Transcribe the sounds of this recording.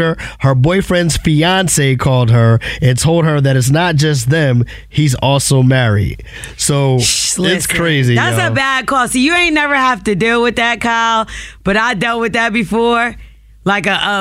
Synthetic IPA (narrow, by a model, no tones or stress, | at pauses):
ə˞hə˞bɔɪfɹɛ̃ndz̥fiɑ̃nseɪkʰɔlˠd̚ə˞ɨ̃ntʰoʊlˠd̚ə˞ðɨɾɨts̬nət̚d̥ʒ̥ʌs̬ðɨ̃m | hizɔlˠsoʊmɛɹḭd̥̚ | soʊɪskʰɹ̥eɪziæsəbæd̚kʰɔsojɨẽɪ̃nɛvə˞hæftɨdilˠwɨðɨt̚kʰab̥ʌɾaɪdɛlˠt̚wɨðɨt̚b̥ɨfɔɹ | laɪkɨʔʌ